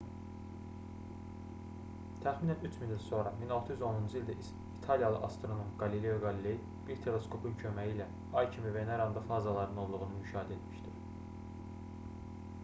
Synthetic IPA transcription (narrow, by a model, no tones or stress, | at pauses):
t̪ʰæxminænyt͡ʃʰmindilso̞nɾɑminolˠt̪ʰɯjyzo̞nund͡ʒɯilʲd̪æʔi | it̪ʰɑlijɑlˠɯ̰ʔɑst̪ɾo̞nomɡɑlilejoɡɑlileji | b̥iɾt̪ʰe̞le̞skʰo̞pʰuncʰø̞mæjilæ | ɑjcʰimiveneɾɑnd̪ɑfɑzɑlˠɑɾɯno̞lˠd̪uɣunɯmyʃɑːɦid̪æet̪miʃt̪iɾ